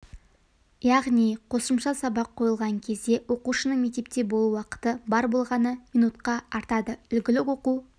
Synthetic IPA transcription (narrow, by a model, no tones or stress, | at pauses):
jɑʁnijqʰo̞səmʃɑsɑbɑqʰːo̞jəlˠʁɑŋkʲʰe̞zd̪e̞wo̞quʃənəɴmek̚t̪e̞p̚t̪e̞bo̞lˠuwɑqə̥t̪əbɑɾbo̞lˠʁɑnəmijnut̪qɑɑɾt̪ɑd̪əʏlɡʲɪlɪkwo̞qu